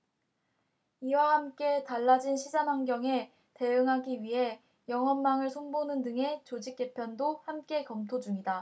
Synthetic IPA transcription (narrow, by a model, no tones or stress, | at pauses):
iwahamk͈e̞taɭːad͡ʑinɕʰid͡ʑamɦaŋɡjʌŋe̞ | te̞ɯŋɦaɡiɥiɦe̞ | jʌŋɦʌnmaŋɯɭsʰoŋbonɯndɯŋe̞t͡ɕod͡ʑik̚k͈e̞pʰjʌndohamk͈e̞kʌmtʰod͡ʑuŋida